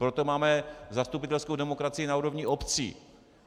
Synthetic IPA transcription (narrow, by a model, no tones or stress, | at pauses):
pɾot̪omaːmɛzast̪upɪt̪ɛlskowdɛmokɾat͡sɪjɪnauːɾo̞vɲɪʔopt͡sḭː